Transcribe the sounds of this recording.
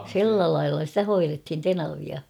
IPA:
si̞lːæ lɑilːɑ stæ hoirethin tenɑʋiɑ

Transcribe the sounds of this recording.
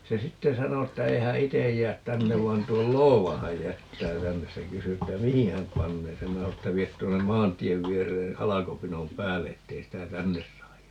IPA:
se sitːe sɑno tːæ ei hæ itej jæːt tænːeʋ ʋɑin tuol loːʋɑ hæj jætːæː tænːes se kysy etːæ mihi hæm pɑnːeː sem minæ sɑo etːæ ʋiet tuonːem mɑːntˑieʋ ʋiereː hɑlɑkopinom pæːlːe etːei sitæ tænːes sɑːj

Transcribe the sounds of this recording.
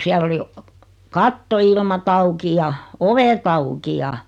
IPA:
siælː oli kɑtːoilmɑt ɑuki jɑ oʋet ɑuki jɑ

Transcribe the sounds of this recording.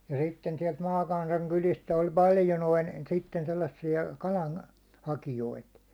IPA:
jɑ sitːen siɛlt mɑːkɑnsɑŋ kylist olʲ pɑljo noin̞ sitːen selːɑsːiɑ kɑlɑn hɑkijoit

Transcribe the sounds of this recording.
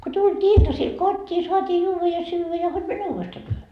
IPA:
ku tultʲiː iltɑsil kotʲːiː suɑtiː juːʋɑ jɑ syːʋæ jɑ hod mæne uːʋestɑː tyøhø

